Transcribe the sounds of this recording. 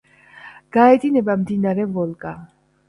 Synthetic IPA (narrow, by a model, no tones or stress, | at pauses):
ɡ̥aɛt̪ʼinɛbamd̪inaɾɛvɔlˠkʼa